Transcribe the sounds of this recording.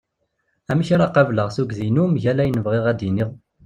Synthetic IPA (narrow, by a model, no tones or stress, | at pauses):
æmiçaɾaqavləʁsuɡzinumʝælæjənəvʁeʁæd̪iniʁ